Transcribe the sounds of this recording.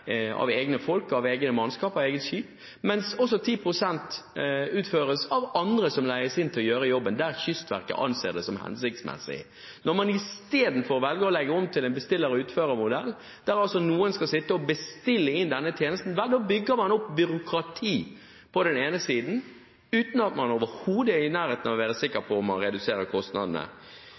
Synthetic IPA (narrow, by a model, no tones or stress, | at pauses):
ɑ̰ʋeːɡnəfɔlkɑʋeːɡnəmɑnskɑːpɑʋeːɡət̪ʃiːp | mɛnsɔsɔt̪ʰiːpʰɾʊsɛnt̪ʉːt̪føːɾəsɑʋɑnd̪ɾəsɔmlæɪəsɪnt̪ʰɪlɔjøːɾəjɔbːənd̪æɾçʏst̪ʋæ̰ʁkə̰ʔɑ̰nsḛːd̪ɛsɔmhɛ̰nsɪk̚t̪smɛ̰sːɪ̰ | nɔʁmɑnɪst̪eːd̪n̩fɔːʁʋɛlɡəɔlɛɡəɔmt̪ʰɪlɛnbəst̪ɪlːəɾəʉːt̪føːɾəmʊd̪ɛ̰lː | d̪̥æɾɑlsɔnuːənskɑlsɪt̪ːəɔbəst̪ɪlːəɪnd̪ɛnːət̪ʰjeːnəst̪n̩ʋɛd̪oːbʏɡːəɾmɑnɔpːbʏɾʊkɾɑt̪ʰiː | pʰɔd̪ɛneːnəsiːd̪n̩ | ʉːt̪n̩ɑt̪mɑnoːʋəɾhuːd̪əɪnæːɾheːt̪nɑʋɔʋæːɾəsɪkːəɾpʰɔɔmːɑ̰nɾɛd̪ʉseːɾəkʰɔst̪nɑ̰d̪n̩ə̰